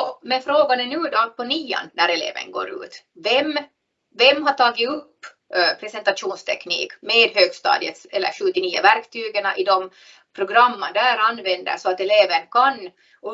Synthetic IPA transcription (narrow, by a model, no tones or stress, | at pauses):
ɔmɛnfɾoːɡanɛnʉ̟ːd̪ɔpʰɔniːa̰nːæɾɛlḛːvə̰nɡo̰ːɾʉ̰ːt̪vɛmː | vɛmːɦaʈʰɑːɡɪɵpː | pʰɾɛsɛnt̪ɑt̪ʂuːnst̪ʰɛknḭːkmeːd̪ɦøːɡst̪ɑ̰ːd̪ə̰t̪sɛlːə̰ɾɧɵt̪ːɪniːʊ̰væɾkt̪ʰyːɡəɳaʔɪd̪ɔm | pʰɾʊɡɾamːəd̪æːɾanːvɛnd̪ə̰sɔat̪ɛleːvənkʰan | ɔ